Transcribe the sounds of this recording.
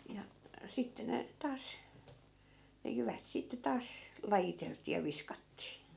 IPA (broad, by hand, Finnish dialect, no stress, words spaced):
jɑ sitːe ne tɑːs ne jyʋæt sitːe tɑːs lɑjiteltˑiː jɑ ʋiskɑtːiː